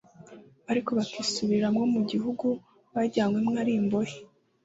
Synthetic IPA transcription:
aɾiko̞βakisuβiɾamŋo̞muɟiɦuɡu | βaɟaːŋɡwemŋaɾiːmbo̞je

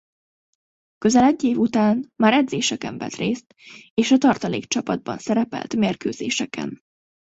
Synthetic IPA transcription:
kø̞zɛlɛɟːeːvut̪aːnmaːɾɛd̪zeːʃɛkɛɱvɛ̰t̪reːst̪eːʃɒt̪ɒrt̪ɒleːkt͡ʃɒpɒd̪̚bɒ̰nsɛɾɛpɛ̰lt̪meːrkøːzḛːʃɛkʰɛ̰n

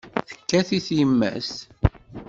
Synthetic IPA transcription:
θə̥kːæθiθjəmːæ̰s

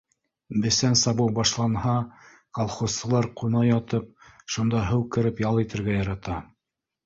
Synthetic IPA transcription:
bɘ̆sænsɑβɤwbɑʃlˠɑnhɑ | kɑlˠχosːɤ̆lˠɑɾqunɑjɑt̪ɤp̚ʃund̪ɑɦɘwkɘ̆ɾɘpjɑlˠit̪ɘ̆ɾɡæjɑɾɑt̪ɑ

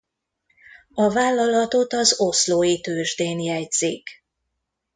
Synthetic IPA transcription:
ɒvaːlːɒlɒt̪o̞t̪ɒzo̞sloːjit̪øːʒd̪eːnjɛjz̥ik

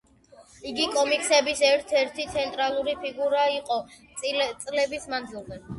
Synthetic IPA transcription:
iɡikʼɔmikʰsɛbisɛɾt̪ʰɛɾt̪ʰit̪sʰɛnt̪ʼɾalˠuɾipʰiɡuɾaiqʼɔ | t̪sʼlɛbismand̪zilˠd̪ɛ

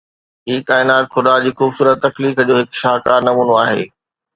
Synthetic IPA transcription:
ɦiːkaːɪnaːt̪xʊd̪ad͡ʑiːxuːbsuːɾət̪ːɐkliːkəd͡ʑoːɦɪkʃaːkaːɾnɐmuːnoaːɦḛː

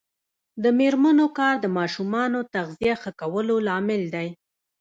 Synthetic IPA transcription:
d̪əmeɾmanokɑɾd̪əmɑʃumɑnot̪aɣzijaxəkawəlolɑmɪld̪aj

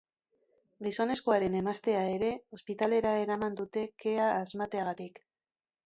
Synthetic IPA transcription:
ɡiso̞ne̞sko̞aɾe̞ne̞mast̪e̞ae̞ɾe̞o̞spit̪ale̞ɾae̞ɾamand̪ut̪e̞ke̞aːzmat̪e̞aɣ̞at̪ik

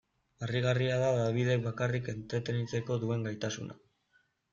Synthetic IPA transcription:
ariɣ̞ariaðaðaβiðe̞k̚bβakarike̞nt̪ɾe̞t̪e̞nit͡se̞ko̞ðue̞ŋɡajt̪asṵna̰

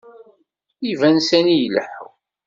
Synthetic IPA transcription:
ivænsænijləħw

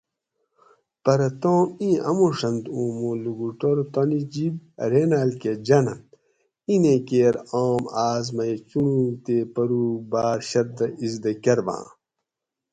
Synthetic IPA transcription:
pɐɾɐt̪õːmĩːʔɐ̰muʂɐnt̪ũːmũluɡuʈoɾt̪onid͡ʑibɾeːnalked͡ʑɐnɐn | inẽkeːɾoːmaːzmɐjt͡ɕuɳũt̪epɐɾuːbaːɾɕɐɾd̪ɐizd̪ɐkɐɾbã̰ː

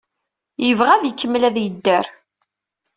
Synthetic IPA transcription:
jəvʁæðjəkːəmːlæðjəd̪ːəɾ

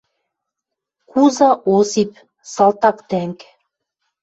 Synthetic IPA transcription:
kuzɑʔosip̚ | sɑlˠt̪ɑkt̪æŋk

